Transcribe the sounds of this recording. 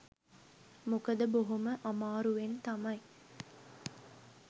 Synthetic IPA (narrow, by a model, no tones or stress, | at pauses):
mukɐd̪əboɦuməʔɐmaːɾuʋent̪ɐmɐj